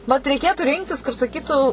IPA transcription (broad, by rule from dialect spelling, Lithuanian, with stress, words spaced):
ʋɐt rʲɛɪˈkʲeːtʊ ˈrʲɪŋktʲɪs kʊr sɐˈkʲiːtuː